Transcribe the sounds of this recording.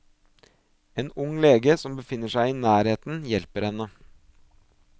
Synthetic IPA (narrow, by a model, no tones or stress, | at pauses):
eːnʊŋleːɡəsɔmbəfɪnːəʂæɪiːnæːɾheːt̪n̩jɛlpəɾhɛnə